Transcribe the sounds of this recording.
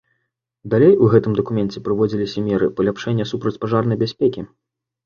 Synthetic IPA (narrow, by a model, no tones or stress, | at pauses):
d̪alʲejuɣɛt̪ɨmd̪ɐkumʲɛnt͡sʲɛpɾɨvɔd͡zʲilʲisʲɐmʲɛɾɨpɐlʲapʂɛnʲːɐsupɾɐt͡sʲpaʐarnɐjbʲasʲpʲekʲi